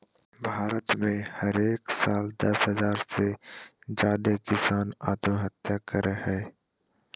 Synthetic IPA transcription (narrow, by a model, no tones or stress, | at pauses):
bʱaːɾət̪mẽhɐɾeːksaːld̪ɐsɦəzaːɾsed͡ʒaːd̪ekɪsaːnaːt̪ɦət̪jakəɾhɛː